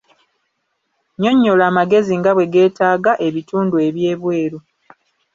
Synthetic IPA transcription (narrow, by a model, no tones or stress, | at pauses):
ɲo̞ɲːolaːmaɡe̞ziŋɡaβwe̞ɡe̞ːtaːɡaʔe̞βituːndue̞βje̞ːβwe̞ːɾu